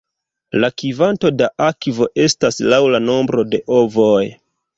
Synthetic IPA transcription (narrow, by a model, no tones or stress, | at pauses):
lakivanto̞daʔakvo̞ʔe̞staslawlano̞mbɾo̞de̞ʔo̞voj